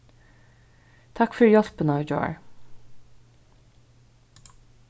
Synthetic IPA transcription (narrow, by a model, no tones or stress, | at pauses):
t̪ʰɑkfœɹjɔspənɑd͡ʒɑ̰ːɹ